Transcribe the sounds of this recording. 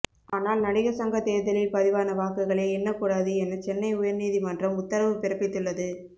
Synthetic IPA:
aːnaːlnɐɽɪɣɐsɐŋɡɐt̪eːðɐlɪlpɐðɪʋaːnɐʋaːkɯɣɐɭeːɛnːɐkuːɽaːðɯɛnːɐt͡ʃɛnːɐɪʊjɐɾniːðimɐndrɐmʊt̪ːɐɾɐʋɯpɪɾɐpːɪt̪ːɯɭːɐðɯ

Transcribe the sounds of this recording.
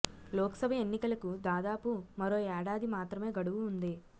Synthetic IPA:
lɔːkɐ̥sɐbʱɐe̞nːikɐlɐkud̪aːd̪aːpumɐɾoːaːɽaːd̪imaːt̪ɾɐme̞ːɡɐɽuʋuːnd̪i

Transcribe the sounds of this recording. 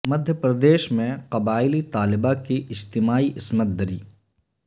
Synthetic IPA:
mɐd̪ʱjəpɾɐd̪eːʃmẽqɐbaːɪlit̪aːlɪbakiʔɪd͡ʒt̪ɪmaːiʔɪsmət̪̚d̪ɐɾḭː

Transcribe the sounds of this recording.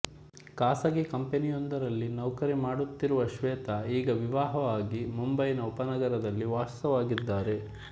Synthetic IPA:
kaːsɐɡikɐmpenijond̪ɐɾɐlːinɐwkɐɾimaːɽut̪ːiɾuʋɐʃʋɛːt̪ɐiːɡɐʋiʋaːɦɐʋaːɡimumbɐjnɐupɐnɐɡɐɾɐd̪ɐlːiʋaːst̪ɐʋaːɡid̪ːaːɾe̞

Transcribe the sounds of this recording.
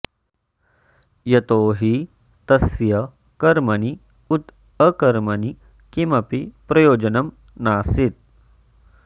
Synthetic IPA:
jɐt̪oːɦi | t̪ɐsjɐ | kɐɾmɐni | ut̪ | əkɐɾmɐni | kimɐpipɾɐjoːd͡ʑənɐm | naːsit̪̚

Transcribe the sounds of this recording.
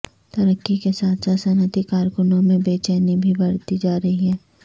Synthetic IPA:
t̪ɐɾəkːikesaːt̪ʰsasɐnət̪ikaːɾkʊnõmẽbeːt͡ʃɛːnibʱibɐɽt̪id͡ʒaːɾɐɦiɦɛː

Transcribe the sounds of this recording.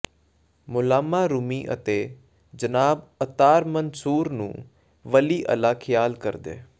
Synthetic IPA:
mʊlaːmaːɾʊmiːʔə̰t̪eː | d͡ʒənaːbət̪aːɾmənsuːɾnṵ̃ː | ʋəliːʔə̰laːkʰɪjaːlkəɾd̪ḛː

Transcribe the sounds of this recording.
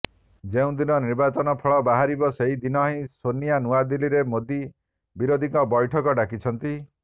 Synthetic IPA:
d͡ʒeũd̪inɔniɾbat͡ʃɔnɔpʰɔɭɔbaɦaɾibɔseɦid̪inɔɦĩsonijanuad̪iliɾemod̪i | biɾod̪ʱiŋkɔbɔjʈʰɔkɔɖakit͡ʃʰɔnt̪i

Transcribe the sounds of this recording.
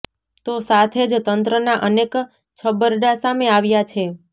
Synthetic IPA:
t̪osat̪ʰed͡ʒt̪ənt̪ɾənaʔənek | t͡ʃʰəbəɾɖasameaʋjat͡ʃʰe

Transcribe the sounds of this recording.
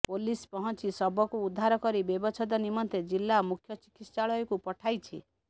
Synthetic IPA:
polispɔɦɔnt͡ʃisɔbɔkuːd̪ʱːaɾɔkɔɾibebɔt͡ʃʰɔd̪ɔnimɔnt̪ed͡ʒilːamukʰːjɔt͡ʃi̥kit̪st͡ʃaɭɔjɔkupɔʈʰajt͡ʃʰḭ

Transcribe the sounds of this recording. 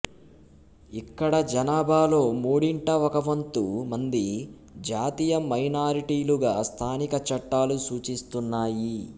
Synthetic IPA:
ikːɐɽɐd͡ʒɐnaːbʱaːlo̞ːmuːɽiɳʈɐʋɔkɐʋɐnt̪umɐnd̪i | d͡ʒaːt̪iːjɐmɐjnaːɾiʈiːluɡaːst̪ʰaːnikɐt͡ʃɐʈːaːlusuːt͡ʃist̪unːaːji

